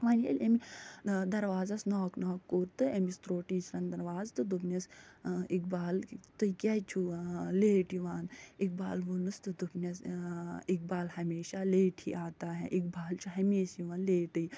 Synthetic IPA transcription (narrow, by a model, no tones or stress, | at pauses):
ʋaːnjḛlʲɐmid̪ɐɾʋaːzasnɔːknɔːkːoːɾt̪ɨemist̪ɾoːʈiːt͡ʃɾɐnd̪ɐɾʋaːzt̪ɨd̪upnʲɐsikbaːlt̪ɨkʲat͡ʃʰuleːʈjiʋaːnik̚baːlʋunɨst̪ɨd̪upnʲɐs | ik̚baːlhɐmeːʃaleːʈʰḭʔaːt̪aːɦḛʔik̚baːlt͡ʃʰuɦɐmeːsjiʋaːnleːʈɨi